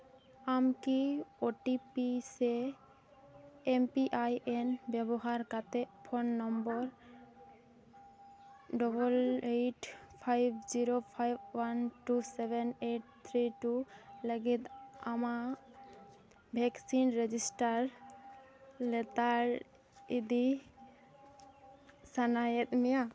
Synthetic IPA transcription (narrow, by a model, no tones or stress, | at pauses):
amkioʈipise | empiʔajʔenbɛbɔɦaɾkat̪epʰonːɔmbɔɾ | ɖɔbɔleʈpʰajbʱziɾopʰajbwanʈusebʱɛneʈ̚t̪ʰɾiʈuləɡit̪ama | bʱɛksinɾed͡ʒisʈaɾ | lɛt̪aɾ | id̪i | sanajɛt̪̚mɛja